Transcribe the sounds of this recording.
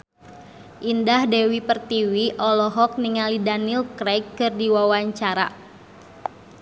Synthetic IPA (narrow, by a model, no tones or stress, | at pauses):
ʔindahdɛwipərt̪iwiʔɔlɔɦɔk̚niŋalidanilkɾɛkːɨrdiwawaɲt͡ʃaɾa̰